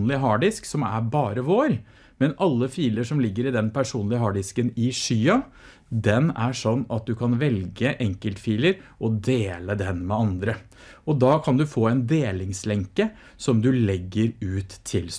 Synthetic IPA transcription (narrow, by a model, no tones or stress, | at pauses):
nlɪɦɑːɖɪsksɔmæ̰ɾbɑːɾəʋoːɾ | mɛnɑlːəfiːləʂɔmlɪɡːəɾɪd̪ɛnpʰæʂuːnlɪəɦɑːɖɪskənɪʂyːɑ | d̪ɛnæʂɔnːɑt̪̚d̪ʉkʰɑnʋɛlɡəʔɛŋkəlt̪fiːləɾʔɔd̪eːləd̪ɛnmɛɑnd̪ɾə | ɔd̪ɑːkʰɑnd̪ʉfoːɛnd̪eːlɪŋslɛŋkə | sɔmd̪ʉlɛɡːəɾʉːt̪ʰːɪl